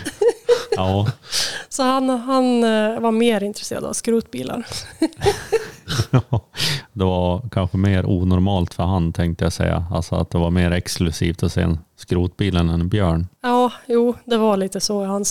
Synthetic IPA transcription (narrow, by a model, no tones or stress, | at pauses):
ɑː | sɔhanɦanvaɾmeːɾɪnt̪ɾɛsḛːɾad̪a̰vskɾuːt̪biːlʔa̰ɾ | d̪ɛvakʰanɧəmeːɾuːnɔɾmɑːlt̪fœɾɦant̪ʰɛŋkt̪əjasɛ̰jːa̰a̰lsɔa̰t̪̚d̪ɛvaɾmeːɾɛksklɵsiːft̪ɔsḛːɛnskɾuːt̪̚biːlənɛnbjœːɳjɑːjuːd̪ɛvaɭiːt̪əsɔhan